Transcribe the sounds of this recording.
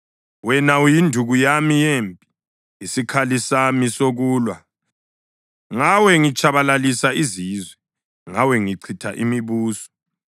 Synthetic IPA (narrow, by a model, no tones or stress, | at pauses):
wɛnaujindʱuɣujamijempʼi | isikʰalisamisoɣuːlwa | ŋawɛŋit͡ʃʰʼaβalalisaizizwɛ | ŋawɛŋiǀʰitʰaʔimiβuːsɔ̥